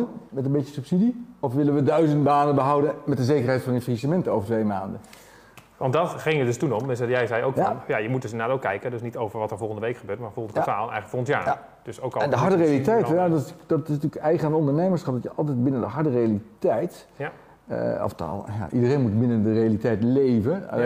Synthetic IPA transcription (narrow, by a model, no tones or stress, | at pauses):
ənmɛtənbɪjəsɵpsidiɔfʋɪlənʋədœɥzəntbaːnənbəɦʌwdənmɛt̚dəzejkərɦɛjtfɑnəfrisəmɛntowvəɹtʋejmaːndən | ʋɑndɑtχɪŋədɵstunɔmɛsɛdjɛjzɛjowkɔnjajəmut̚døsɪnaːtowkːɛjkədøsnitowvəɹʋɑtəɹvɔlˠχəndəʋejkχəbøːtmaːɹvɔlˠəntəkataːlˠənɛ̰jχələkfoːləntja̰ː | d̥øsowklɛndəɦɑɹdərejalitɛjtɛjaddɑtɪsntyːəkɛjχənandəɔndəɹnejməɹsχɑp̚dɑtjəʔɑlˠtɛjd̚bɪnəndəɦɑɹdərejalitɛjt | ə̰ɔ̰fta̰lˠja̰ʔidərejnmut̚bɪnəndərejalitɛjtlejvə̰